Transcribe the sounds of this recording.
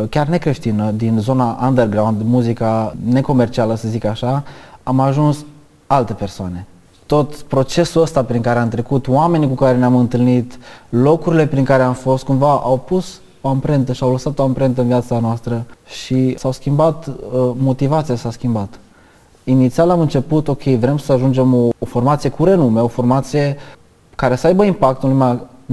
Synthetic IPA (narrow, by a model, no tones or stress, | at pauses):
kʲarne̞kɾe̞ʃt̪inəd̪inzo̞naʔand̪erɡɾawnd̪muzikane̞ko̞me̞rt͡ʃialəsəzikaʃaamaʒuns | alt̪e̞persoane̞ | t̪o̞t̪pɾo̞t͡ʃe̞suəst̪apɾiŋkaɾeamt̪ɾe̞kut̪oame̞nikukaɾe̞neamɨnt̪ɨlnit̪lo̞kuɾile̞pɾiŋkaɾe̞amfo̞st̪̚kumvaʔawpus | oampɾe̞nt̪əʃiawləsat̪o̞ampɾe̞nt̪̬əɨnviat̪sanoast̪ɾəʃisawskʲimbat̪əmo̞t̪ivat̪sijasaskʲimbat̪ | init̪sialamɨnt͡ʃe̞put̪o̞kʰʲe̞jvɾe̞msəaʒund͡ʒe̞mo̞ːfo̞rmat̪sije̞kuɾe̞nume̞o̞fo̞rmat̪sije̞ | kaɾe̞səajbəimpak̚t̪unlujma